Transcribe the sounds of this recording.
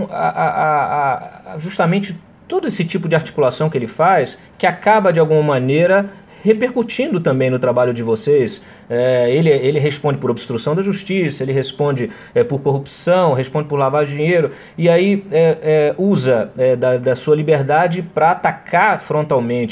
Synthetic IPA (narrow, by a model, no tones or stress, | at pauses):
a̰ʔaʔa | ʒust̪ɐmẽnt͡ʃɪ | t̪od̪ʊesɪt͡ʃipʊd͡ʒɪaɾt͡ʃi̥kulasɐ̃w̃kɪelɪfajs | kɪakabɐd͡ʒɪawɡũmɐmɐ̃nejɾɐ | hepeɾkut͡ʃĩnd̪ʊt̪ɐ̃mbẽj̃nʊt̪ɾabaʎʊd͡ʒɪvosejs | ɛelɪelɪɦespõd͡ʒɪpʊɾobst̪ɾusɐ̃w̃d̪ɐʒuʃt͡ʃisɐelɪɦespõd͡ʒɪ | ɛpoɾkoɦupsɐ̃w̃ɦespõd͡ʒɪpʊɾlavaɾɪd͡ʒĩɲejɾʊ | iaiɛɛuzɐɛd̪ɐd̪ɐsuɐlibeɾd̪ad͡ʒɪpɾɐat̪akʰaɾfɾõnt̪awmẽnt͡ʃɪ